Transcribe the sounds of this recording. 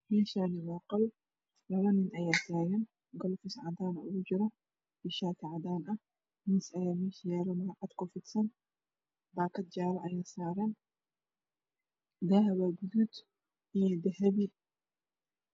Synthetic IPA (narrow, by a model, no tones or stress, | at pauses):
mɛːʃaːnɪwɐːqʼɐl | lɐβɐnɪnɐjaːt̪aːjɐn | ɡɔlfɪsʕad̪aːnɐʊd͡ʒɪɾɔ | b̥ɪʃaːt̪ɪʕad̪aːnɐ | mɪsɐjaːmiʃjɛːɾɐmaːʔɐt̪kɔfɪt̪sɐn | baːkɐt̪̚d͡ʒaːɾɐʔɐjaːsaːɾɐn | d̪aːhɐbaɡʊd̪ut̪ | ɪd̪ɛɦɛbɪ